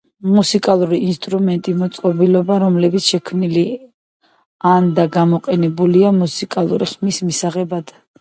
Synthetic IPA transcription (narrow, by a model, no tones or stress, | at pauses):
musikʼalˠuɾiːnst̪ʼɾumɛnt̪ʼimɔt̪sʼqʼɔbilɔbaɾɔmlɛbit̪sʃɛkʰmnili | and̪aɡamɔqʼɛnɛbuliamusikʼalˠṵɾḭχmismisaʁɛbad̪̥